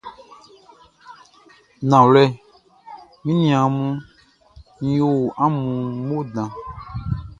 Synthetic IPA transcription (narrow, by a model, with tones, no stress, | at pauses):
nã˨wlɛ˦˨ | mĩ˦nĩ˨ã˨mũ˦ | nĩ˨˦jo˦wʔa˦mũ˨mo˦dã˨